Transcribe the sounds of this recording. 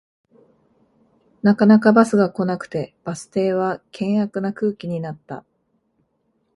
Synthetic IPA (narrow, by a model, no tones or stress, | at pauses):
nakanakabasɨɡako̞nakɯ̟̥t̪e̞b̥asɨ̥t̪e̞ːβ̞akʰẽ̞ɰ̃akɯ̟nakɯːkʲiɲ̟inat̪ːa̰